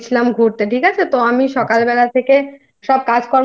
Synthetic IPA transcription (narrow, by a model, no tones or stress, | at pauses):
t͡ɕʰilamɡʱuɾt̪eʈʰikat͡ɕʰet̪oamiʃɔkalbɛlat̪ʰeke | ʃɔb̚kad͡ʑkɔɾ